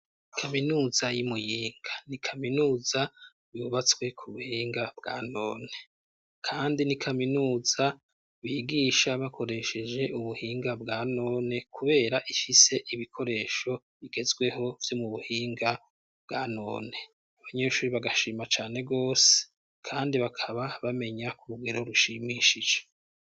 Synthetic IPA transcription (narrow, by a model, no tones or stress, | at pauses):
kʰaminuːzajimujiːŋɡḁnikʰaminuːza | βuβat͡swe̞kʰuβuhiːŋɡabɡa̰ːno̞̰ːne̞ | kʰaːndinikʰaminuːza | βiːɡiːʃaβakʰo̞ɾe̞ʃe̞d͡ʒe̞ʔuβuhiːŋɡabɡaːno̞ːne̞kuβe̞ːɾaʔifise̞ʔiβikʰo̞ɾe̞ːʃo̞ | βiɡe̞zɡwe̞ɦo̞vjo̞muβuhiːŋɡa | b̥ɡaːno̞̰ːne̞ | aβaɲe̞ːʃuɾiβaɡaʃiːmat͡ʃaːne̞ɡo̞ːse̥ | kʰaːndiβakʰaβaβame̞ɲakuɾuɡeɾo̞ɾuʃimiʃid͡ʒe